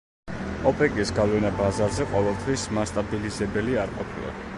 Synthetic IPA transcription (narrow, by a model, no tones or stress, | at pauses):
ɔpʼɛkʼisɡavlɛnabazazɛqʼɔvɛlˠt̪ʰwismast̪ʼabilizɛbɛliaɾqʼɔpʰila̰